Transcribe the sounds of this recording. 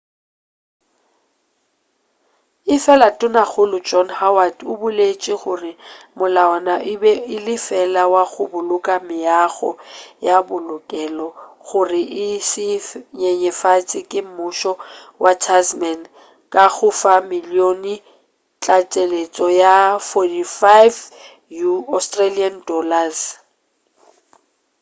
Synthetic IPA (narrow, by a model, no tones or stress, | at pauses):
ɪfɛlatʼʊnaɣʊlʊd͡ʒɔnhawadʊbʊlet͡ʃʼɪɣʊrɪmʊlaɔnaɪbɛɪlɪfɛlawaɣʊbʊlʊkʼamɪaɣɔ̰jabʊlʊkʼɛlɔɣʊrɪʔɪsɪɲɛɲɛfat͡sʼɪkʼɪm̩mʊʃɔ | wʔat͡ʃʰasmɛn | kʼaɣʊfamɪlionɪ | t͡ɬʼat͡ʃʼelet͡sʼɔjafɔdifajv | juɔstʼraliandɔlas